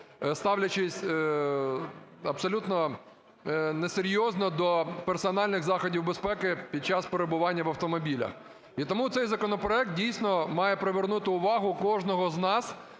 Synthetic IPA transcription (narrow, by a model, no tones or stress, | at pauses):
st̪ɑwlʲɐt͡ʃɪsʲ | ɐbsɔlʲut̪nɔ | neseɾʲjɔznɔd̪ɔpersɔnɑlʲnɪɣzɑxɔdʲiwbespɛkɪpʲid̪̚t͡ʃɑspeɾebʊʋɑnʲːɐʋɐwt̪ɔmɔbʲilʲɐ̰x | it̪ɔmut̪sɛjzɐkɔnɔpɾɔɛk̚t̪̚dʲijsʲnɔmɑjɛpɾeʋernut̪ɪʊʋɑɦʊkɔʒnɔɦɔznɑs